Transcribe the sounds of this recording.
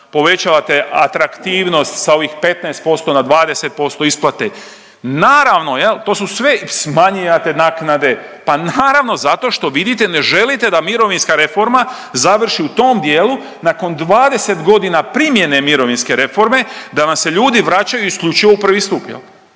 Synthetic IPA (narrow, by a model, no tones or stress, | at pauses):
po̞ʋe̞t͡ɕaʋat̪e̞ʔa̰t̪ɾakt̪iːʋno̞st̪sao̞ʋixpe̞t̪naest̪̚po̞st̪o̞nad̪ʋaːd̪e̞se̞t̪̚po̞st̪o̞isplˠat̪e | naːɾaʋno̞jelt̪o̞ːs̬usʋe̞smaɲiat̪e̞naːknad̪e̞ | panaːɾaʋno̞zat̪o̞ʃt̪o̞ʋid̪it̪e̞ne̞ʒe̞lit̪e̞d̪amiɾo̞ʋinskaɾe̞fo̞ɾma | zaʋr̩ʃiut̪o̞md̪jeːlu | nako̞nd̪ʋaːd̪e̞se̞t̪ɡo̞d̪inapɾimje̞ne̞miɾo̞ʋinske̞ɾe̞fo̞ɾme̞d̪anamse̞ʎuːd̪iʋɾat͡ɕajuiskʎʲut͡ʃiʋoupr̩ʋist̪upjḛl